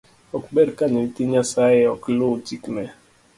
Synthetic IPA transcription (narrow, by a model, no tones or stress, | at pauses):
ɔkbɛɾkaɲɛitiɲasaɪɔklotiknɛ